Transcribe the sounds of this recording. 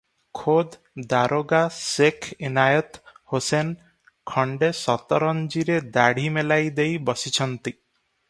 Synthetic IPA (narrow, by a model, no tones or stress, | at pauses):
kʰod̪ | d̪aɾoɡasekʰinajɔt̪hosen | kʰɔɳɖesɔt̪ɔɾɔnd͡ʒiɾed̪aɽ̤imelajd̪ejbɔsit͡ʃʰɔnt̪i